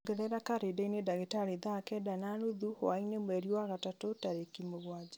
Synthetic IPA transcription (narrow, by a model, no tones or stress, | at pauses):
ɡɛɾɛɾakaɾedainedaɣetaɾeðakɛdananoðuho̰ainemwɛɾiwaɣatatotaɾekimoɣwad͡ʑa